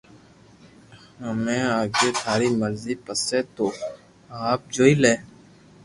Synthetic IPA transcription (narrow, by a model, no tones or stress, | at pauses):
əmẽːaːɡeːd̪ʰʱaːɾiməɾziːpəseːt̪oː | aːp̚d͡ʒoːileː